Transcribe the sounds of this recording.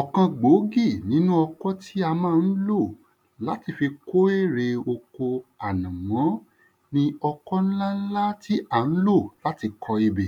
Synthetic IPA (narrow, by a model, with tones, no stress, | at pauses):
ɔ˨kã˧ɡ͡bo˨˦ɡi˦˨nĩ˨˦nũ˦ɔ˧kɔ˦tʰi˦a˧mãː˦˧˨n̩˦lo˦˨ | la˨˦ti˧fi˧ko˦e˦˨ɾe˧o˧ko˧a˨nã˨wɔ̃˨˦ | nĩ˧ɔ˧kɔ˦ñ̩˦la˦n̩˦la˦ti˦ʔa˨n̩˦lo˦˨la˨˦ti˧kʰɔ˧i˧be˨